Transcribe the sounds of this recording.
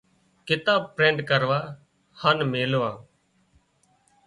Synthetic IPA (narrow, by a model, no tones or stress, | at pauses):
kɪt̪aːb̚pɾẽːɳɖkəɾʋaː | hanmeːlʋãː